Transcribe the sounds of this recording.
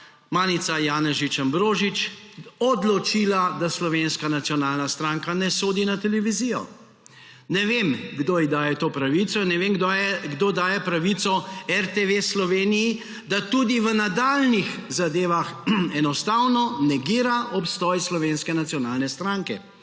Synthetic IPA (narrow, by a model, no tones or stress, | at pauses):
maːnit̪sajaːnɛʒit͡ʃambɾoːʒit͡ʃɔd̪lɔt͡ʃiːlad̪aslɔʋenskanat̪sijɔnaːlnast̪ɾaŋkanɛsoːd̪inat̪ɛlɛʋizijɔ̰ | nɛʋemɡd̪oid̪aːjɛt̪oːpɾaʋit̪sɔinːɛʋemɡ̪jɛɡd̪oːd̪aːjɛpɾaʋit̪sɔɛɾt̪eʋeslɔʋeːniji | d̪at̪ud̪iʋənad̪aːlnixzad̪eːʋaxɛnɔst̪aːwnɔnɛɡiːɾaʔɔpst̪ɔjslɔʋenskɛnat̪sijɔnaːlnɛst̪ɾaːŋkɛ